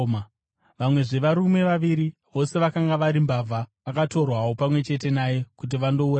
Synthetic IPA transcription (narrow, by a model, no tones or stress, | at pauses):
m | ʋamwe̞ʐe̞ʋaɾume̞ʋaʋiɾiʋo̞se̞ʋakaŋɡaʋaɾimbavʱaʋakato̞rwawopamwe̞t͡ʃe̞t̬e̞naje̞kut̬iʋando̞ur